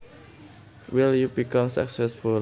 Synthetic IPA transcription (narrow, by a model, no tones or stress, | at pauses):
wiljubikʌ̃msa̰ksɛsfu